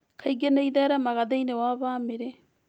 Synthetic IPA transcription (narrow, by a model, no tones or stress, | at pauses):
kʰajɡenejdaːɾamaɡadejnewaβaːmeɾe